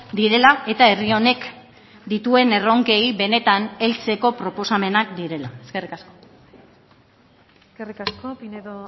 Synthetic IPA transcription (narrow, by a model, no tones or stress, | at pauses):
d̪iɾe̞lae̞t̪ae̞rio̞ne̞k | d̪it̪ue̞ne̞ro̞ŋke̞jβe̞ne̞t̪ane̞lt͡se̞ko̞pɾo̞po̞same̞nakd̪iɾe̞lae̞ske̞rikasko̞ | eskerikaskopineðo